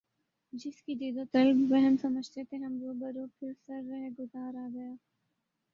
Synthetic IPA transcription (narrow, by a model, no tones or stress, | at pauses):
d͡ʒɪskid̪iːd̪ot̪ɐlbbɛɦɛnsɐməd͡ʒʱt̪et̪ʰeɦɐmd͡ʒ̪oːbɐɾoːpʰɪɾsɐɾːɐɦeɡʊzaːɾaːɡɐjaː